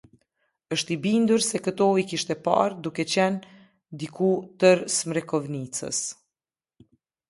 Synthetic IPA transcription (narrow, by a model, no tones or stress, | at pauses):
əʃt̪ibind̪uɾsɛkət̪ɔikiʃt̪ɛpa̰ɾd̪ukɛt͡ɕɛn | d̪ikut̪əɾsmɾɛkɔvnit͡sə̰s